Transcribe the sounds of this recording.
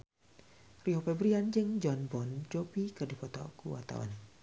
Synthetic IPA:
riopɛbɾiand͡ʒɨŋd͡ʒɔnbɔnd͡ʒopikɨrdipɔt̪ɔ̰kuwa̰t̪a̰wa̰n

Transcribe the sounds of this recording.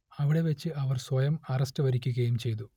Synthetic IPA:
ɐʋiɽe̞ʋɐt͡ɕːɨʔɐʋɐrswɐjɐmɐrɐstɐʋɐɾikʲːuɣɐjumt͡ɕe̞jt̪u

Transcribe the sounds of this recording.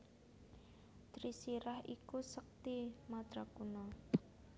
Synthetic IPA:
t̪ɾisiɾahikusək̚t̪imat̪ɾakunɔ

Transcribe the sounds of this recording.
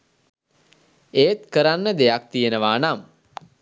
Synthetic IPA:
eːt̪kəɾanːəd̪ejak̚t̪ijenəʋaːnam

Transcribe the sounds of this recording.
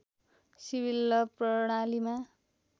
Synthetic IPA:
sibilːʌprʌɽ̃alima

